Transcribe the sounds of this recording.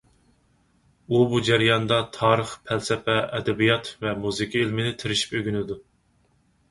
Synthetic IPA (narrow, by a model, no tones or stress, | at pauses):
ubud͡ʒæɾijɑnd̪ɑt̪ʰɑːɾəχpʰælsɛpʰɛʔɛd̪ɛbijɑt̪vɛmuzɨkʰʲielmɪnɪt̪ʰɪɾɪʃi̥pøɡʲynɪd̪u